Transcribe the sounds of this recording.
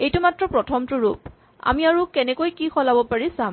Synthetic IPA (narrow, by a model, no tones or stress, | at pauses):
ejtʊmatɹɔpɹɔtʰɔmtʊɹup̚ | a̰miaɹukɛnɛkojkixɔlabɔpaɹisam